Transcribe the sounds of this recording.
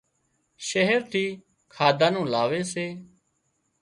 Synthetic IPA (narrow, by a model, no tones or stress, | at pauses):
ʃəɦəɾt̪ʰiː | kʰaːd̪ʱãːnũːlaːʋeːseː